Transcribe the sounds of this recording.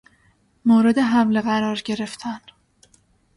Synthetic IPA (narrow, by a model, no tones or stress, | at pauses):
moːɾe̞d̪e̞ɦæmle̞ɣæɾɒːɾɟe̞ɾe̞ft̪ʰæn